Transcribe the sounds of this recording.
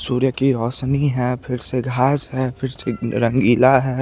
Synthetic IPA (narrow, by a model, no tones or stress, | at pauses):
suːɾjəkiɾɔːʃniɦɛːpʰɪɾseɡʱaːsɦɛːfʰɪɾseɾɐ̃ŋɡiːlaɦɛː